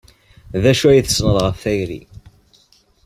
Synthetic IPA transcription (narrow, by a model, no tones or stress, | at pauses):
ðæʃuæjθə̥snəðˤʁəfθæjɾḭ